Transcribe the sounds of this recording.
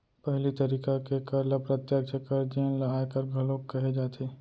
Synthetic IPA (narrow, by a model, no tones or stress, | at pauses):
pɛɦlit̪ɐɾiːkakekɐɾlapɾɐt̪jək̚t͡ʃʰəkɐɾd͡ʒiẽlɐaːkɐɾɡʱɐloːkːɐɦed͡ʒaːt̪ʰeː